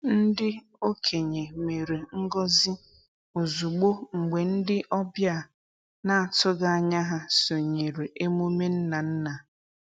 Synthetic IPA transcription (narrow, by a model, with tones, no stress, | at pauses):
n̩˦dɪ˦ | o˦kʰe˨ɲe˨me˨ɾe˨ŋ̩˦ɡɔ˦zɪ˦ | u˨zu˨ɡ͡bo˦ŋ͡m̩˨ɡ͡be˨n̩˦dɪ˦ʔɔ˦bja˦˨ | na˦˨a˨tʊ˦ɡa˦a˨ɲa˦ɦa˦so˨ɲe˨ɾe˨ʔe˦mu˦me˦n̩˦na˨n̩˦na˨